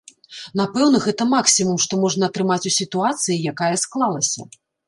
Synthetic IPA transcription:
napɛwnɐɣɛt̪ɐmaksʲimumʂt̪ɔmɔʐn̪ɐːt̪ɾɨmat͡sʲusʲit̪uat̪sɨjijakajɐsklˠalˠɐsʲɐ̰

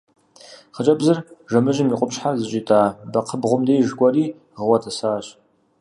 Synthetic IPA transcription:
χət͡ʃʼɐbzɨrʒɐmɨʒɪmiqʷʼʊpɕħazɨt͡ʃʼitʰʼaːbɐqʰəbʁʷʊmdeːʒɡʷɔriː | ʁəwɐtʰɐsaːɕ

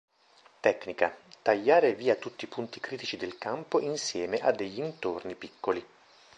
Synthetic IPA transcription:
t̪ɛkːnika̰t̪aʎːaːɾeviːat̪ut̪ːipunt̪ikɾiːt̪it͡ʃid̪elkampoʔinsjɛːmeʔad̪ːeʎːint̪ornipikːoli

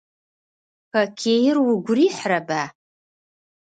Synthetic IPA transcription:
pʰakʲʰejrwuɡʷriħraba

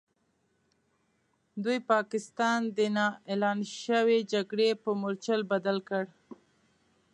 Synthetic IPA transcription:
d̪ujpɑkɪst̪ɑnd̪ənɑelɑnʃəwed͡ʒaɡɽepəmʊɾt͡ʃəlbad̪alkəɽ

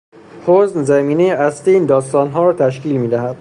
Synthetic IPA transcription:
hoznzæmiːnejeæst̪iiːnd̪ɒːst̪ɒːnɦɒːɾɒːt̪ʰæʃ̬kiːlmiːd̪æɦæd̪̥̚

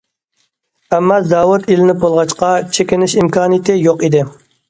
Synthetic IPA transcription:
ɛmːɑzɑːwʊt̪ilɪnɪp̚bolˠʁɑt͡ʃqɑt͡ʃʰekʲɪnɪʃimkɑːnɨjt̪ʰɪjoqid̪ɪ

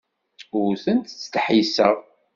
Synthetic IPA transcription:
ʊɾθənt̪t͡sːt̪ħisəʁ

